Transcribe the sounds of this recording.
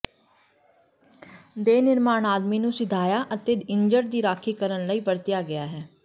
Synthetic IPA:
d̪eːnɪɾmaːnaːd̪miːnũːsɪd̪ʱaːjaːʔət̪eːɪɲd͡ʒəɾd̪iːɾaːkʰiːkəɾənləiːbəɾt̪ɪjaːɡɪaːɦɛː

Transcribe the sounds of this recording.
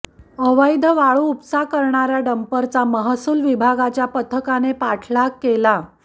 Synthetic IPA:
əʋəjd̪ʱəʋaɭuupsakəɾɳaɾjaɖəmpəɾt͡saməɦasuːlʋibʱaɡat͡ɕjapət̪ʰəkanepaʈʰlakːela

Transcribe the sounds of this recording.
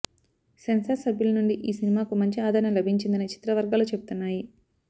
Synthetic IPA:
sensɐsɐbʱjulɐnuɳɖiʔiːsinimaːkumɐɲt͡ʃiaːd̪ʱaːɾnɐmlɐbʱiɲt͡ʃind̪ɐnit͡ʃi̥t̪ɾɐʋɐɾɡaːlut͡ʃe̞but̪unːaːji

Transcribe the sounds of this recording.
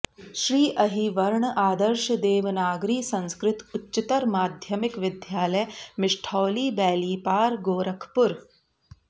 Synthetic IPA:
ʃɾiːʔɐɦiʋɐɾɳʔaːd̪ɐɾʃd̪eːʋnaːɡɾiːsɐ̃nskɾɪt̪utːt͡ʃit̪ɐɾmaːd̪ʱjɐmɪkʋɪd̪ʱjaːlɐjmɪʂʈʰoːliːbɛːliːpaːɾɡoːɾɐkʰpʊɾ

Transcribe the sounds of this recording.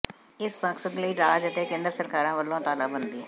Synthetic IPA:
ɪspãːksəkləiːɾaːd͡ʒət̪eːkẽːnd̪əɾsəɾkaːɾãːʋəlːõːt̪aːlaːbənd̪iː

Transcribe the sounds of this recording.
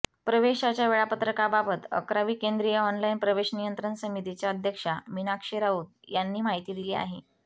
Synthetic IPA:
pɾəʋeɕat͡ɕjaʋeɭapət̪ɾəkababət̪ə̰kɾaʋiːkend̪ɾijəɔnlainpɾəʋeɕnijənt̪ɾənsəmit̪it͡ɕjaəd̪ʱjəkʂaminakʂeɾauːd̪janːiːmaɦit̪iːd̪ilia̰ɦe

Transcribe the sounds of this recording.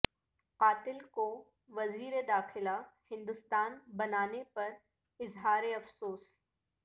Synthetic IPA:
qaːt̪ɪlko | ʋɐziːɾed̪aːxɪlahɪ̃nd̪ʊst̪aːnbɐnaːnepɐɾ | ɪzɦaːɾeɐfsoːs

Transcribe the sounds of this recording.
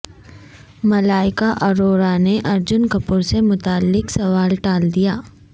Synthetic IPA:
mɐlaːɪkaʔɐɾoːɾaneʔɐɾd͡ʒʊnkɐpʊɾsemʊt̪aːlːɪksɐʋaːlʈaːld̪ijaː

